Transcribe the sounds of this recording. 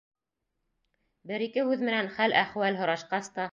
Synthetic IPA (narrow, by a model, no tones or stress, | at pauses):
bɘɾikɘhʉðmɘ̆nænχælæχwælɦŏɾɑʃqɑst̪ɑ